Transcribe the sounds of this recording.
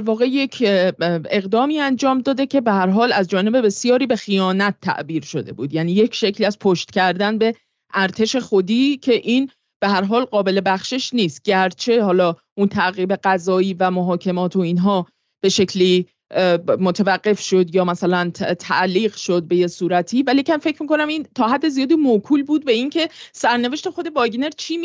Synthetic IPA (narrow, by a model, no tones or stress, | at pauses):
ɾvɒːɣe̞je̞cʰ | e̞ɣd̪ɒːmiːænd͡ʒɒːmd̪ɒːd̪e̞cʰe̞beɦæɾɦɒːlæzd͡ʒɒːne̞be̞be̞sjɒːɾiːbe̞xijɒːnæt̪ʰːæ̰ʔbiːɾʃo̞d̪e̞̰buːd̪jæːniːje̞cʰʃe̞cʰliːæz̥pʰoʃt̪cʰæɾd̪ænbe̞ | ʔæɾt̪ʰe̞ʃe̞xod̪iːcʰe̞ʔiːn | b̥eɦæɾɦɒːlɢɒːbe̞le̞bæxʃeʃniːst̪̚ɟæɾt͡ʃʰe̞ɦɒːlɒːʔunt̪ʰæɣiːbe̞ɢæzɒːiːvæmoɦɒːcʰe̞mɒːt̪ʰo̞iːnɦɒː | b̥e̞ʃe̞cʰliː | mot̪ʰevæɢːe̞fʃo̞d̪jɒːmæsælænt̪ʰæ̰ʔliːɣʃo̞d̪̚be̞je̞suːɾæt̪ʰiːvælicʰæmfe̞cʰɾmiːko̞næmint̪ʰɒːɦæd̪ːezijɒːd̪iːmokʰuːlbuːd̪̚be̞incʰe̞sæɾne̞ve̞ʃt̪e̞xo̞d̪e̞bɒːɟne̞ɾt͡ʃʰi